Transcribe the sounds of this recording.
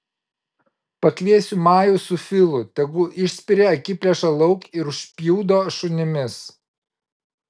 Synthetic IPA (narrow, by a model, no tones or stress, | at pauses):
pɐkʲʋʲiɛsʲʊmɑːjʊsʊfʲɪlˠʊt̪ʲɛɡʊʔɪʃʲsʲpʲɪɾʲeːɐkʲɪpʲlʲɛʃɐlˠɐʊkɪɾʊʃʲpʲjuːd̪oːʃʊnʲɪmʲɪs